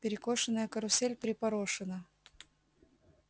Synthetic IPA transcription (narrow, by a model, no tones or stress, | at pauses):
pʲɪɾʲɪkoʂɨnəjəkəɾʊsʲelʲpʲɾʲɪpɐɾoʂɨnə